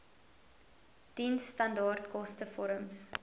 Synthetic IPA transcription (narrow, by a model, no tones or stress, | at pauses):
tinstɐndɑːrtkɔstəfɔɾəms